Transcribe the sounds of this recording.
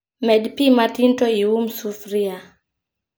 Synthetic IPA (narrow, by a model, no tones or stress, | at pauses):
mɛdpimatintoiwumsufɾia